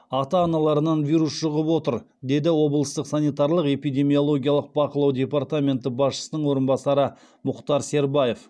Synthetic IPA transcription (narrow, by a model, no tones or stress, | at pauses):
ɑt̪ɑːnɑlˠɑɾənɑnvijɾusʃʊʁəpwo̞t̪əɾ | d̪e̞d̪ɪwo̞blˠəst̪əqsanijt̪ɑɾlˠəqe̞pijd̪e̞mio̞lˠo̞ɡʲijɑlˠəq̚bɑqəlˠɑwd̪ʲe̞part̪amʲe̞nt̪ɪbɑsʃə̥sənəɴwo̞ɾənbɑsɑɾə | mʊqt̪ɑɾse̞ɾbaje̞f